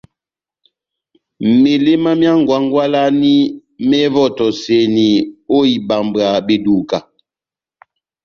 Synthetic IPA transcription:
m˨me˨le˦ma˦mja˦ŋ˨ɡwa˨˦ŋ˦ɡwa˦la˦ni˦mɛ˦vɔ˦˨tɔ˨se˨ni˨o˦i˨ba˨mba˨be˨du˨ka˨

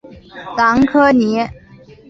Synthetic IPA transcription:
t͡sɑ˧˥ŋkʰɤ˥ni˧˥

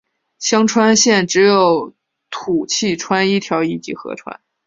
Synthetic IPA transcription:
ɕjɑ˥ŋʈ͡ʂʰwa˥nɕjɛ˥˩nʈ͡ʂɻ̩˧˥jo˨˩ʊ | t̪ʰu˨˩t͡ɕʰi˥˩ʈ͡ʂʰwa˥ni˥˩t̪ʰjɑ˧˥ʊi˥˩t͡ɕḭ˧˩xɤ̰˧˥ʈ͡ʂʰwa̰˥n

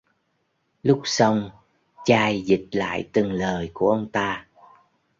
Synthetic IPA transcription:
lʊ˦˥k͡p̚sə˧wŋ͡m | t͡ɕaː˧jzi˨˩t̚la̰ː˧˨jt̪ɨ˨˩ŋləː˨˩jku˧˩əʔə˧wŋ͡mt̪aː˧

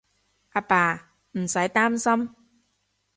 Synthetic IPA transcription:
ʔaː˧paː˨˩ | m̩˨˩sa˨˦jt̪aː˦˥msa˦˥m

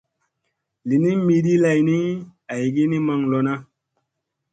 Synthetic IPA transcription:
li˨ni˦mi˧di˦la˨jni˦a˨jɡi˦ni˦ma˨ŋlo˨na˦

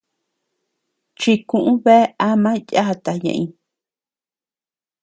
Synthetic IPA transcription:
t͡ʃi˧kũ˧ʔũ˦βe˦a˦mã˦i˧jʼa˦ha˧t̪a˨ɲã̰˧ʔĩ˧

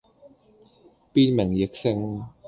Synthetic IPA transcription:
piː˧nmɛ˨˩˦ŋje˨˦˥k̚se˧ŋ˧

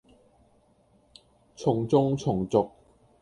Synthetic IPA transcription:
t͡sʰʊ˨˩ŋt͡sʊ˨˧ŋt͡sʰʊ˨˩ŋt͡sʊ˨k̚

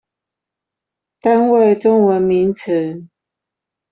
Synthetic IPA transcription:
t̪a˦nwe˥˨ɪʈ͡ʂʊ˥ŋwə˨˦nmi˨˦nt͡sʰə˨˦

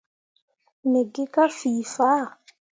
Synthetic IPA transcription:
ne˨ɡɪ˦ka˦fiː˨fa˦˨

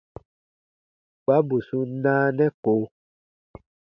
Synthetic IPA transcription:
ɡ͡ba˦bu˨su˦nãː˦nɛ̃˦ko˨

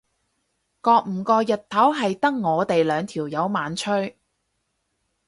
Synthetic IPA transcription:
kɔː˧k̚m̩ː˨˩kɔː˧jɐ˨t̚t̪ʰɐ˨˥wɦɐ˨jt̪ɐ˥ŋ̚ŋɔː˨˧t̪e˨jlœː˨˧ŋt̪ʰiː˨˩wjɐ˨˧wmaː˨˧nt͡ʃʰɵ˥ɥ

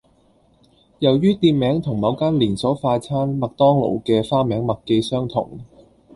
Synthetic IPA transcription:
jɐ˨˩wjyː˥t̪iː˧t̚mɛː˨˥ŋt̪ʰʊ˨˩ŋmɐ˨˧wkaː˥nliː˨˩nsɔː˨˥faː˧t͡sʰaː˥nmɐ˨k̚t̪ɔː˥ŋlo̰˨˩wkɛː˧faː˥mɛː˨˥ŋmɐ˨kkːe˧jsœː˥ŋt̪ʰʊ̰˨˩ŋ

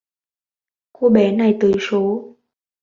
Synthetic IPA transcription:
ku˧ɓɛ˨˦na˨˩jt̪ɨ˨˧˩so˨˦

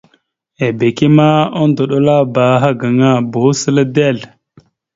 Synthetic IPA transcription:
e˨be˨ki˦ma˦o˦ndo˨ɗo˦la˦ba˨˦ɦa˦ɡa˨ŋa˦bo˨˦sə˦la˦de˦˨l

